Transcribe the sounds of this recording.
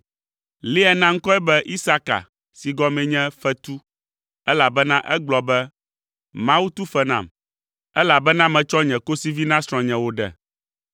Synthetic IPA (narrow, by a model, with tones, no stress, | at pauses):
li˦ɛ˨nã˦ŋ̩˦kɔ˦ɛ˦bɛ˦ʔi˦sa˦ka̰˨ | si˨ɡɔ˦mɛ̃˨ɲɛ̃˦fɛ˦t̪u˦ | ɛ˦la˨bɛ˦nã˦ʔɛ˦ɡ͡blɔ˨bɛ˦ | mã˦wu˦t̪u˦fɛ˦nã̰˨m | ɛ˦la˨bɛ˦nã˦mɛ̃˨t͡ʃɔ˦ɲɛ̃˨ko˦si˦vi˦nã˦sɾ̃ɔ̃˨ɲɛ̃˨wo˦ɖɛ̰˨